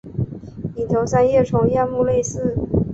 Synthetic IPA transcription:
i˨˩t̪ʰo˧˥sa˥njɛ˥˩ʈ͡ʂʰʊ˨˩˦ŋjɛ˥˧nmu˥˧le˥˧ɪsɹ̩˥˩

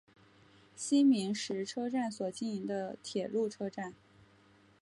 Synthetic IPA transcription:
ɕi˥nmi˧˥ŋʂɻ̩˧˥ʈ͡ʂʰɤ˥ʈ͡ʂa˥˩nswɔ˨˩t͡ɕi˥˩ni˧˥ŋd̪ə˧t̪ʰjɛ˨˩lu˥˩ʈ͡ʂʰɤ˥ʈ͡ʂa˥˩n

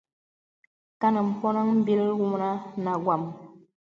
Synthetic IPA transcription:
ka˦nə˨m̩˨pɔ˦na˦ŋm̩˦bi˦lwu˦m˨na˦na˨ɡwa˨m

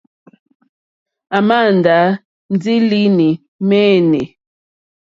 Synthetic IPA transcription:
a˨ma˦˨n˨da˨˦ | n˦di˦li˦ni˨ | mɛ˦nɛ˨

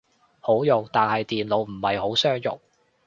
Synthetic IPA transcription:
ho˨˥wjʊ˨k̚t̪aː˨nhɐ˨jt̪iː˨nlo˨˧˥wm̩˨˩hɐ˨˩jho˨˥wsœː˥ŋjʊ̰˨k̚

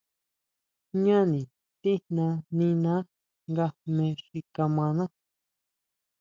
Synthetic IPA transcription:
ɲã˦nĩ˨ | t̪i˦nã˧nĩ˧nã˦ | ŋɡa˧mẽ˧ʂi˧ka˧mã˧nã˦

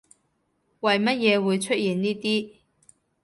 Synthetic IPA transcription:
wɐ˨jmɐ˥t̚jɛː˨˧wuː˨˧jt͡ʃʰɵ˥t̚jiː˨nniː˥t̪iː˥

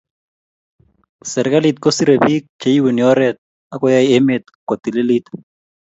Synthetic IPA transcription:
sɛ˨ɾka˦lit̪̚ko˦si˦ɾe˨pi˦k̚t͡ʃe˦ji˦wu˨ni˨ɔ˦ɾɛ˨t̪̚ | a˦kɔ˦ja˦ie˦me˨t̪̚kwɔ˨t̪i˨le˦li˦t̪

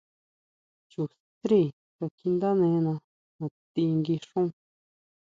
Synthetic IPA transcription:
t͡ʃu˨ | t̪ɾi˦˧˨ | ko˧˨kʰi˧nd̪a˦nẽ˧nã˧ | nõ˨t̪i˧ŋɡi˧ʂũ˦

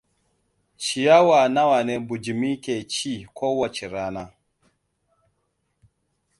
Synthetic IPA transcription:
t͡ʃi˨ja˦wa˨na˦wa˨ne˦bu˨d͡ʒi˨mi˦kʲe˨t͡ʃi˦˨kʷʰoː˦wɐ˦t͡ʃe˨ɾaː˦naː˦

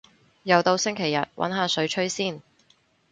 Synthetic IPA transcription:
jɐ˨wt̪o˧wsɪ˥ŋkʰe˨˩jɐ̰˨t̚wʔɐ̰˨˥nɦaː˨˧sɵ˨˥ɥt͡ʃʰɵ˥ɥsiː˥˩n

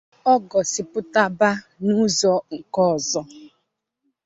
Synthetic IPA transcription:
ɔ˦ɡɔ˨sɪ˨pʊ˦ta˦ba˦ | nu˦zɔ˦ŋ̩˨kɔ˦˨zɔ˦

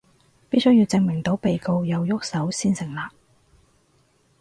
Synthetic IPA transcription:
piː˥sɵ˥jiː˨˧wt͡sɪ˧ŋmɪ˨˩ŋt̪o˨˥wpe˨jko˧wjɐ˨wjʊ˥k̚sɐ˨˥wsiː˥nsɪ˨˩ŋlaː˨k̚

